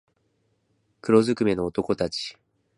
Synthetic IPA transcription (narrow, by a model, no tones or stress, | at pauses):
kɯ̟ɾo̞zɨkɯ̟me̞no̞ːt̪o̞ko̞t̪at͡ɕi̥